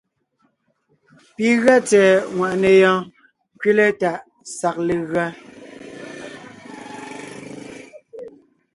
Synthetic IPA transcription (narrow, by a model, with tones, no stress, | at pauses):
pi˨ɣɰa˦t͡sɛ˨ŋwa˨ʔnɛ˨jɔ̃ː˦ | ŋ˨kɥe˦le˦ta˨ʔ | sa˨k̚le˨ɣɰa˦